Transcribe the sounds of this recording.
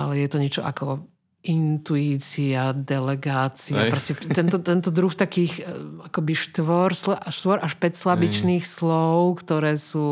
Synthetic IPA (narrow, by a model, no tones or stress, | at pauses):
alɛjɛt̪ɔɲɛt͡ʃɔʔa̰kɔ | ʔint̪uiːt͡siad̪ɛlɛɡaːt͡siapɾɔscɛt̪ɛnt̪ɔt̪ɛnt̪ɔd̪ɾuxt̪akiːxakɔbiʃt̪ʋɔɾslaʃt̪ʋɔɾʔaʃpɛcslabit͡ʃniːxslɔʊkt̪ɔɾɛːsuː